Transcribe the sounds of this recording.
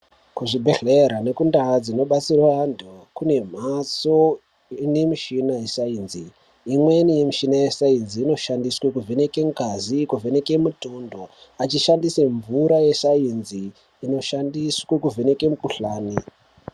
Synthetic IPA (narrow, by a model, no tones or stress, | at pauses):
kuʐibʱe̞ɮeɾane̞kundad͡zino̞ɓat͡sirwaandokune̞m̤aso̞ | ine̞miʃinaje̞saiːnziː | mwe̞nijemiʃinajesainziːno̞ʃandiswekuvʱene̞ke̞ŋkazikuvʱene̞ke̞mutundoat͡ʃiʃandiseɱvuɾaje̞sainziː | no̞ʃandiswekuvʱene̞ke̞mukuɬaːni